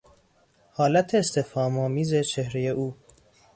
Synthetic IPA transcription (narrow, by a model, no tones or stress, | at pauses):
hɒːlæt̪ʰeːst̪ʰefɒːmɒːmiːze̞t͡ʃʰehɾejeʔuː